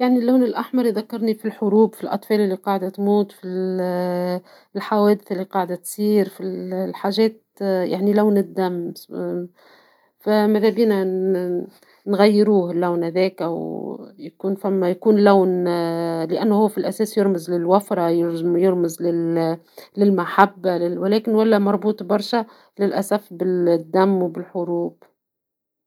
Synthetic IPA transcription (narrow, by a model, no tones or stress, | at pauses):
jaʕnilːaːnɪlʔaħmɑɾˤðakːɑɾˤnifilħʊɾuːbfilʔɑ̰t̪ˤfɑːlɪlːiqɑːʕd̪at̪muːt̪ˤfil | lħawɛːd̪ɪθʔɪlːiqɑːʕd̪at̪sˤiːɾfillħaːʒɛːt̪ | ja̰ʕnilawnɪd̪ːamː | famaðæbiːna | nɣajːɪɾuːhlːawnhæðɛːkæwjakuːnfamːæjakuːnlæwn | lɪʔanːhʊwːfilʔæsɛːsjɪɾmɪzlɪlwafɾˤɑjɪɾjɪɾmɪzlɪ | lɪlmaħabːalɪwɪlɛːkɪnwalːæmɑɾˤbuːt̪ˤbɑɾˤʃa | lɪlʔasafbɪld̪ːamːwbɪlħʊɾuːb̥